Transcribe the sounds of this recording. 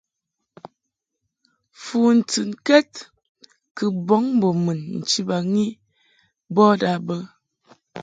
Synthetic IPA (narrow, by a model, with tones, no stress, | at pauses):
fu˨n̩˨tɨ˨nkɛ˦t̚ | kɨ˨bɔ˦ŋ˦bo˨mɨ˨nn̩˨t͡ʃi˦ba˨ŋi˦ | bɔ˦da˨bə˦